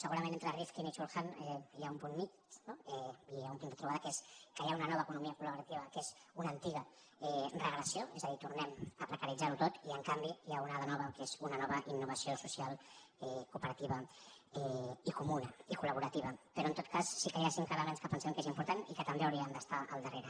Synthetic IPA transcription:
səɣuɾɐmẽnent̪ɾərifkinit͡ʃulˠxanɛjaumpunmit͡ʃ | noɛijaumpund̪ət̪ɾuβ̞aðəkeskəjaunənɔβəːkunumiəkuləβuɾat̪iβəkezunənt̪iɣə | ɛrəɣləsijoɛzəðit̪uɾnɛməpɾəkəɾid͡zaɾut̪ot̪iəŋkambijaunaðənɔβəkezunənɔβəʔinːuβəsiosusialˠɛkupəɾət̪iβə | ɛikumunəikuləβuɾət̪iβəpəɾɔənt̪ot̪̚kasːikəjasiŋkaðaβanskəpənsɛmkezimpuɾt̪anikət̪əmbeəwɾiəmd̪əst̪aʔə̰lˠd̪əreɾə

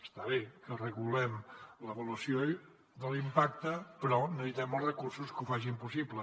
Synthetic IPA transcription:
ə̥st̪aβekərəɣulɛmləβuluəsjo | d̪əlimpak̚t̪əpɾɔnəβit̪ɛməlˠzrəkursuskufaʒimpusiblə

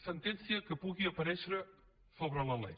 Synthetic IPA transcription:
sẽnt̪ẽnsjɐkɨpuðiɐpɐɾeʃeɾ | soβɾɐlˠɐlˠḛj

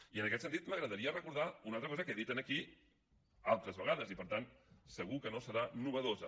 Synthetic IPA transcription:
iənəkɛt̪sənt̪it̪məɣɾəðəɾiərəkuɾð̞aunalˠt̪ɾəkɔzəkeðit̪ənəki | alˠt̪ɾəzβəɣ̞aðəzipəɾt̪ansəɣukənosəɾanuβəðozə

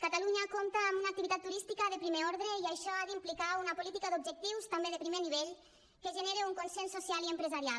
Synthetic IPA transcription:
kat̪aluɲakomt̪aːmbunak̚t̪iβit̪at̪ːuɾist̪ikaðepɾimeɔɾðɾeiajʃɔaðimplikaunapulit̪ikad̪ub̚ʒek̚t̪iwst̪ambeðepɾimeniβ̞eʎ | keʒeneɾeuŋkonsensːosialiempɾezaɾial

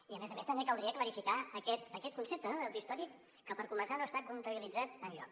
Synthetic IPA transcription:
iəmezəmest̪əmbekəlˠd̪ɾiəkləɾifikaəkɛt̪əkɛt̪̚kunsep̚t̪ənoðəwt̪uist̪ɔɾikː | əpəɾkumənsanoəst̪akunt̪əβilid͡zat̪ənʎɔ̰k

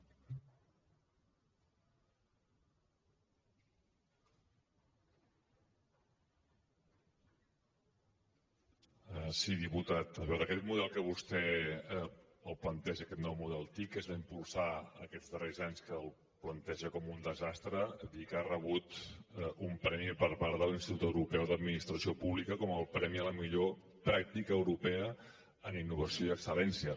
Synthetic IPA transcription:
əsiðiput̪at̪əβɛwðəkɛt̪̚muðɛlˠkəβ̞ust̪ɛə | əlˠplənt̪ɛʒəkɛt̪nɔwmuðɛlˠt̪ikezðəimpulˠsaə̰kɛzðərezaɲskəːlˠ | plənt̪ɛʒəkɔmund̪əzast̪ɾəd̪ikarəβ̞ut̪ | umpɾɛmipəɾpaɾðəlinst̪it̪ut̪əwɾupɛwðəd̪minist̪ɾəsiopuβlikəkɔməlˠpɾɛmiələmiʎo | pɾak̚t̪ikəːwɾupɛə | əninːuβəsioiəksəlɛnsiə

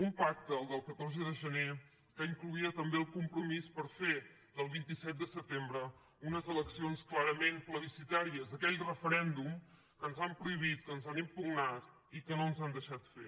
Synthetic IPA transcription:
umpak̚t̪əːlˠd̪əlˠkət̪oɾzəðəʒəne | kəiŋkluiət̪əmbeəlˠkumpɾumispəɾfe | ðəlˠβint̪isɛt̪̚d̪əsət̪embɾə | unəzələksionsklaɾəmenpləβisit̪aɾiəzəkɛʎrəfəɾɛnd̪um | kənzampɾuiβ̞it̪kənzanimpuɡnat̪ | ikənoənzand̪əʃat̪fe

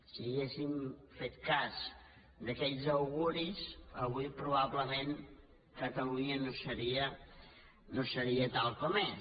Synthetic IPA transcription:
siːɣesimfet̪kaz | d̪əkɛʎzəwɣuɾizəβuipɾuβaβləmen | kət̪əluɲənosəɾiə | nosəɾiət̪alˠkɔmɛ

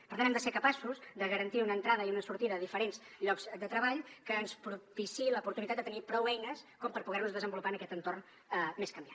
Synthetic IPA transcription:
pəɾt̪añɛmd̪əseɾkəpasuzd̪əɣəɾənt̪iunəːnt̪ɾað̞əiunəsuɾt̪iðəðəðifəɾenzʎɔkzd̪ət̪ɾəβaʎkəːnspɾupisiləupuɾt̪unit̪ad̪d̪ət̪ənipɾɔwɛjnəskɔmpəɾpuɣɛrnuzðəzəmbulupaənəkɛt̪ənt̪orn | meskəmbjan

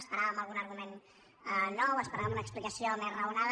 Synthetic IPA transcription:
spəɾaβəmaəlˠɣunəɾɣumen | nːɔwəspəɾaβəmunəksplikəsiomezrəunað

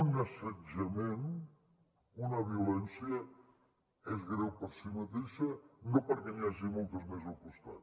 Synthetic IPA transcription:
unɐsəd͡ʒɐmen | unəβ̞iulɛnsjə | ɛzɣɾɛwpəɾsimət̪eʃənopəɾkɛniaʒimolˠt̪əzmɛzɐpust̪a̰

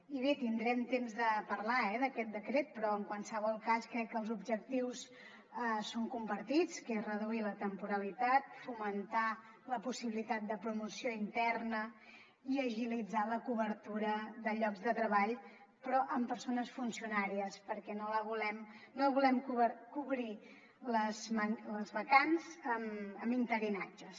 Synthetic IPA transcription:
iβet̪ind̪ɾɛmt̪emzðəpəɾlaɛðəkɛt̪̚d̪əkɾet̪̚pɾɔəŋkwalˠsəβɔlˠkaskɾɛkːəlˠzubʒək̚t̪iws | əsoŋkumpəɾt̪it͡skerəðuilət̪əmpuɾəlit̪at̪̚fumənt̪a | ləpusiβilit̪at̪̚d̪əpɾumusioint̪ɛrnə | iəʒilid͡zaləkuβəɾt̪uɾəðəʎɔɡzðət̪ɾəβaʎ | pɾɔʔəmpəɾsonəsfunsiunaɾiəspəɾkɛnoləβulɛmnoβulɛmkuβəkuβɾi | ləzmənləzβəkanzəməmint̪əɾinad͡ʒəs

